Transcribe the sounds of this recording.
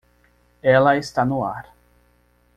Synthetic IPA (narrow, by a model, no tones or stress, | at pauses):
ɛlɐest̪anʊaɾ